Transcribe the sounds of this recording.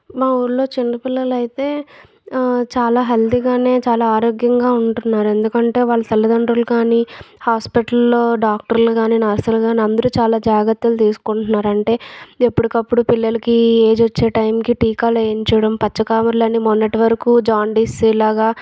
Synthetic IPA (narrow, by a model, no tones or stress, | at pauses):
maːuɾlo̞ːt͡ʃinːɐpilːɐlɐjit̪e̞ː | t͡ʃaːlaːɦɐld̪iɡaːne̞ːt͡ʃaːlaːaːɾoːɡjɐŋɡaːuɳʈunːaːɾue̞nd̪ukɐɳʈe̞ːʋaːɭːɐt̪ʰɐlːɐd̪ɐɳɖɾulukaːnihaːspiʈɐlloːɖaːk̚ʈɐɾluɡaːninaːɾsɐlɡaːniɐnd̪ɐɾut͡ʃaːlaːd͡ʒaːɡɐɾt̪ːɐlt̪iːsu̥kuɳʈunːaːɾɐɳʈe̞ːepːuɽikɐpːuɽupilːɐlɐkieːd͡ʒʋɐt͡ʃːe̞ːʈɐjmkiʈiːkaːleɲt͡ʃɛjɽɐmpɐt͡ʃːɐkaːmɐɾlɐnːimɔnːɐʈiʋɐɾɐkuːd͡ʒaːɳɖisilaːɡaː